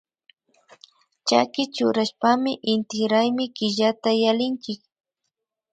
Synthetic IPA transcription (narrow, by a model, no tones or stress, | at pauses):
t͡ʃa̰kɪt͡ʃʊɾaʃpamɪʔɪnt̪ɪxɾajmɪkɪʒat̪ajalɪnt͡ʃɪk̚